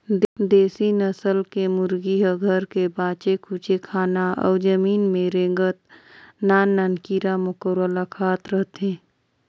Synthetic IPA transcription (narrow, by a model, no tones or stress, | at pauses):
d̪eːsinəsəlkemʊɾɡiɦəɡʱəɾkebãːt͡ʃekʰuːt͡ʃekʰaːnaɔ̰ːd͡ʒəmiːnmẽɾẽŋɡət̪naːnːənkiːɾamʊkəɾəlakʰaːt̪ɾəɦt̪ẽː